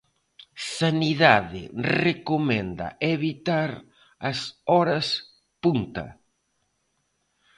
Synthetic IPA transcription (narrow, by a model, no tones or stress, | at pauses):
saniðaðɪrekomɛnd̪ɐ̰ʔeβit̪aɾ | ɐsɔɾɐs | punt̪ɐ̰